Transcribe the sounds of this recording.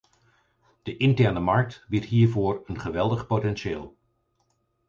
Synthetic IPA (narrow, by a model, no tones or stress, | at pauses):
d̥əʔɪntɛɹnəmɑɹk̚tʋɪtɦiːɹvoːɹənχəʋɛlˠdəχpotɛnʃeːlˠ